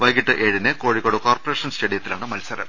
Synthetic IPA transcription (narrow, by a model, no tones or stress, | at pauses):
ʋɐjɡiʈːɨʔeːɻinɨkoːɻikːoːɽukoːrpɐreːʂɐnst͡ɕeɽijɐt̪ːilaːɳɨmɐlsɐɾɐ̰m